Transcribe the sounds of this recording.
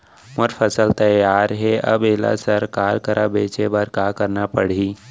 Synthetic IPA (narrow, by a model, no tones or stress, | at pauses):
mʊɾfʰəsəlt̪ɐjaːɾɦɛɐ̰bela̰sɐɾkaːɾkəɾʔabeːt͡ʃebəɾkaːkɐɾnapəɽ̤iː